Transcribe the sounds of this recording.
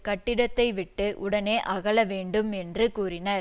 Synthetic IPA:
kɐʈːɪɽɐt̪ːɐɪʋɪʈːɯʔʊɽɐneːʔɐɣɐɭɐʋeːɳɖɯmɛndrɯkuːɾɪnɐ

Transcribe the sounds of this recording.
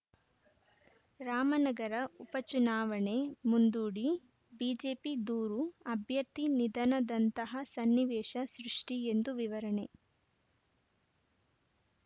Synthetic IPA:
ɾaːmɐnɐɡɐɾɐupɐt͡ʃunaːʋɐɳemund̪uːɽi | biːd͡ʒeːpid̪uːɾuɐbʱjɐɾt̪inid̪ʱɐnɐd̪ɐnt̪ɐɦɐsɐnːiʋɛːʃɐsɾuʂʈiend̪uʋiʋɐɾɐɳe̞

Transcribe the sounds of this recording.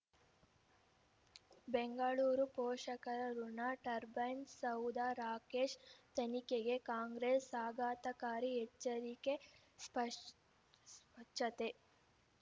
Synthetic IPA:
beŋɡɐɭuːɾupɔːʂɐkɐɾɐɾunaʈɐɾbɐjnsɐwd̪aɾaːkeːʂt̪ɐnikeɡe̞kaːŋɡɾesːaːɡaːt̪ɐkaːɾiɦet͡ʃːɐɾike | pɐ | spɐʈʃɐt̪e

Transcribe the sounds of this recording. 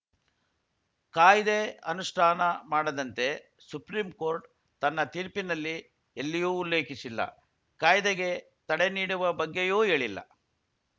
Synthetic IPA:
kaːjd̪eɐnuʂʈʰaːnɐmaːɽɐd̪ɐnt̪e̞ | supɾiːmko̞ːɾʈ | t̪ɐnːɐt̪iːɾpinɐlːi | elːijuːulːe̞ːkisilːɐ̰ | kaːjd̪eɡe̞ | t̪ɐɽeniːɽuʋɐbɐɡːejuːe̞ːɭilːɐ̰

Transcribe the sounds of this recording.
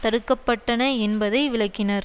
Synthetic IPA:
t̪ɐɽɯkːɐpːɐʈːɐnɐɛnbɐðɐɪʋɪɭɐkːɪnɐɾ

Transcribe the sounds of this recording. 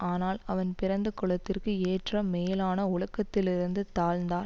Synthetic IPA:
aːnaːlɐʋɐnpɪɾɐnd̪ɐkːʊɭɐt̪ːɪrkɯeːʈrɐmeːlaːnɐʊɭɐkːɐt̪ːɪlɪɾɯnd̪ɯt̪aːɻnd̪aːɾ

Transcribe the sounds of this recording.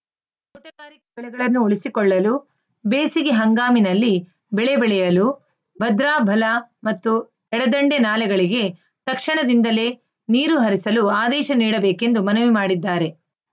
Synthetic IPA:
uʈɐɡaːɾikɐbɛɭɛɡɐɭɐnːuoɭisikɔɭːɐlu | beːsiɡeɦɐŋɡaːminɐlːi | bɛɭebɛɭɛjɐlu | bʱɐd̪ɾaːbʱɐlɐmɐt̪ːu | ɛɽɐd̪ɐɳɖenaːlɛɡɐɭiɡe̞ | t̪ɐkʂiɳɐd̪ind̪ɐleː | niːɾuɦɐɾisɐluaːd̪ɛːʃɐniːɽɐbeːke̞nd̪umɐnɐʋimaːɽid̪ːaːɾe̞

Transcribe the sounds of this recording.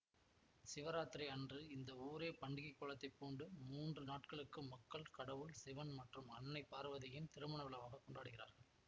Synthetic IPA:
sɪʋɐɾaːt̪ɪɾɐɐndrɯɪnd̪ɐuːɾeːpɐɳɖɪɣɐkːoːɭɐt̪ːɐɪpːoːɳɖɯmuːndrɯnaːʈkɐɭɯkːɯmɐkːɐɭkɐɽɐʋɯlsɪʋɐnmɐʈrɯmɐnːɐɪpːaːɾɯʋɐðɐjɪnt̪ɪɾɯmɐɳɐʋɐlɐʋaːɣɐkːɔɳɖaːɽɯɣɪra̰ːɾɣɐɭ

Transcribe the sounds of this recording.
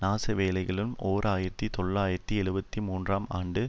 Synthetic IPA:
naːsɐʋeːlɐɪɣɐɭɯmoːɾaːjɪɾɐt̪ːit̪ɔɭːaːjɪɾɐt̪ːiɛɻɯbɐt̪ːimuːndraːmaːɳɖɯ

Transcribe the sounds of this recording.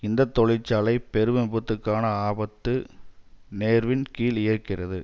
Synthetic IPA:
ɪnd̪ɐt̪ːɔɻɪt͡ʃːaːlɐɪpɛɾɯʋɐmbɯt̪ːɯkːaːnɐaːbɐt̪ːɯ | neːɾʋɪnkiːlɪjɐɾkɪrɐðɯ

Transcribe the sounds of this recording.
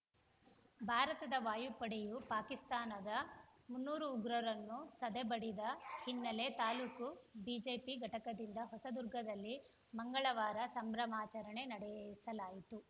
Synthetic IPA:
bʱaːɾɐt̪ɐd̪ɐʋaːjupɐɽejupaːkist̪aːnɐd̪ɐmunːuːɾuːɡɾɐɾɐnːusɐd̪ebɐɽid̪ɐhinːɐle̞t̪aːluːkubid͡ʒeːpiɡʱɐʈɐkɐd̪ind̪ɐɦɔsɐd̪uɾɡʱɐd̪ɐlːi | mɐŋɡɐɭɐʋaːɾɐsɐmbɾɐmaːt͡ʃɐɾɐɳe̞nɐɽɛsɐlaːjit̪u

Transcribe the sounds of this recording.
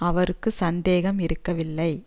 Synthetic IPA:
ɐʋɐɾɯkːɯsɐnd̪eːɣɐmɪɾɯkːɐʋɪlːɐɪ

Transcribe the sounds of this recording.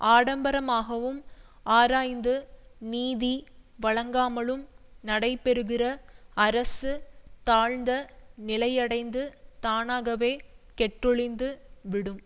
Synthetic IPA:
ʔaːɽɐmbɐɾɐmaːɣɐʋɯm | aːɾaːjnd̪ɯniːðiʋɐɭɐŋɡaːmɐɭɯmnɐɽɐɪpːɛɾɯɣɪrɐɐɾɐsɯt̪aːɻnd̪ɐnɪlɐjɐɽɐɪnd̪ɯt̪aːnaːɣɐʋeːkɛʈrɯɭɪnd̪ɯʋɪɽɯm

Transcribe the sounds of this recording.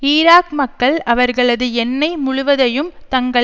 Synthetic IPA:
iːɾaːkmɐkːɐɭɐʋɐɾɣɐɭɐðɯɛnːɐɪmʊɻʊʋɐðɐjɯmt̪ɐŋɡɐɭ

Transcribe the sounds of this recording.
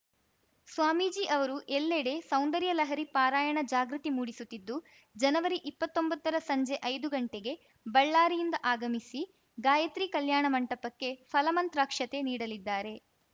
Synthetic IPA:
sʋaːmiːd͡ʒiːʔɐʋɐɾuʔelːeɽesɐwnd̪ɐɾjɐlɐɦɐɾipaːɾaːjɐɳɐd͡ʒaːɡɾut̪imuːɽisut̪ːid̪ːu | d͡ʒɐnɐʋɐɾiʔipːɐt̪ːo̞mbɐt̪ːɐɾɐsɐɲd͡ʒe̞ʔɐjd̪uɡɐɳʈeɡe̞ | bɐɭːaːɾijind̪ɐʔaːɡɐmisi | ɡaːjɐt̪ɾiːkɐljaːɳɐmɐɳʈɐpɐkːe̞pʰɐlɐmɐnt̪ɾaːkʂɐt̪e̞niːɽɐlid̪ːaːɾe̞

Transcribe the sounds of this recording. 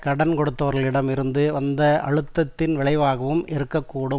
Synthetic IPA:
kɐɽɐnkɔɽɯt̪ːɐʋɐɾɣɐɭɪɽɐmɪɾɯnd̪ɯʋɐnd̪ɐɐ̰ɻɯt̪ːɐt̪ːɪnʋɪɭɐɪʋaːɣɐʋɯmʔɪɾɯkːɐkːuːɽɯm

